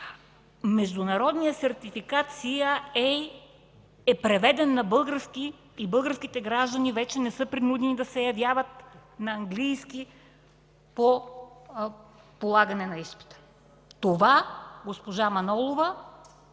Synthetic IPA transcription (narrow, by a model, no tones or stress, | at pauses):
mɛʒd̪unɐɾɔd̪nijəsɛɾt̪ifikat̪siaɛ | ɛpɾɛvɛd̪ɛnːɐbɤlˠɡəɾskiː | bɤlˠɡəɾskʲit̪ɛɡɾaʒd̪ɐnivɛt͡ʃɛnɛsɤpɾinud̪ɛnid̪ɐsɛjɐvjavət̪̚nɐɐŋɡlijski | po | polˠaɡɐnɛnɐispi̥t̪ə̥ | t̪ovaɡospoʒamɐnɔlˠovə